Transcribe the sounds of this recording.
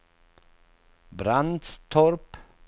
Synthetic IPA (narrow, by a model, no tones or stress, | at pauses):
bɾand̪st̪ʰɔɾp